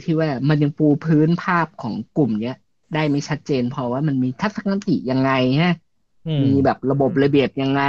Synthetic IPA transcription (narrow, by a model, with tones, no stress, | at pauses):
t̪ʰiː˥˩waː˥˩ma˧nja˧ŋpuː˧pʰɯː˦˥npʰaː˥˩p̚kʰɔː˩˦ŋklu˨˩mni˦˥ɐ | daː˥˩jma˥˩jt͡ɕʰa˦˥t̪̚t͡ɕeː˧npʰɔ˧waː˥˩ma˧nmiː˧t̪ʰa˦˥sa˧ka˧˦˥t̪ḭ˨˩ja˧ŋːa˧jnʰa˦˥ | miː˧bɛː˨˩p̚ɾa˧bo˨˩p̬̚ɾa˧bi˨˩əp̚ja˧ŋːa˧